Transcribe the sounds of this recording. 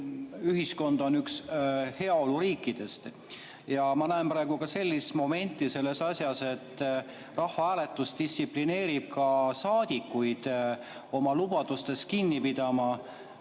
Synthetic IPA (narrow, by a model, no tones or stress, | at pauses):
yɦisko̞nd̪̥o̞nykshe̞ɑo̞luɾiːkːˑid̪̥e̞st̪ | jɑmɑnæempɾɑe̞ɡukɑse̞lʲːist̪mo̞me̞nʲt̪ˑːise̞lːe̞sɑsjɑse̞t̪ːˑ | rɑhvɑæːle̞t̪ːˑust̪ist̪sipline̞ːɾib̥̚kɑsɑːd̪̥ʲikːˑujd̪̥ | o̞mɑlubɑd̪̥ust̪e̞st̪̚kinːipid̪̥ɑmɑ